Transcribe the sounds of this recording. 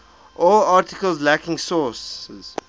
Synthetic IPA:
ʔɔlɑːˑtɪkəlˠzlækɪ̃ŋsɔsz̥

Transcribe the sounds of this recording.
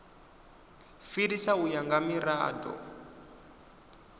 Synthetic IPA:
fiɾisaujaŋɡamiɾa̰ːdɔ̰

